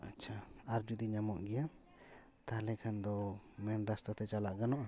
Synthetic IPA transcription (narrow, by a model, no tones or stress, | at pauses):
a̰t͡ʃʰaaɾd͡ʒud̪iɲamɔʔɡɛja | t̪alɛkʰand̪ɔmɛnɖast̪at̪ɛt͡ʃalaʔɡanɔʔa